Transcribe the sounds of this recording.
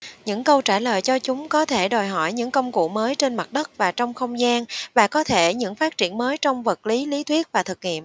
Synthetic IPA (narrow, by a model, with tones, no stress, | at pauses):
ɲɨ̰˧˥ŋkə˧wt͡ɕaː˧˩ləː˨jt͡ɕɔ˧t͡ɕʊ˨˦ŋ͡mkɔ˨˦t̪ʰe˧˩ɗɔ˨˩jɦɔ˧˩jɲɨ̰˧˥ŋkə˧wŋ͡mkṵ˧˩˨məː˨˦jt͡ɕe˧nma˨˩t̚ɗə˦˥t̚vaː˨˩t͡ɕɔ˧wŋ͡mxə˧wŋ͡mzaː˧nvaː˨˩kɔ˨˦t̪ʰe˧˩ɲɨ̰˧˥ŋfaː˦˥t̚t͡ɕi˧˩ənməː˨˦jt͡ɕɔ˧wŋ͡mvə˨˩t̚li˨˦li˨˦t̪ʰwi˦˥ət̚vaː˨˩t̪ʰɨ˨˩k̚ŋḭ˧˨əmʔ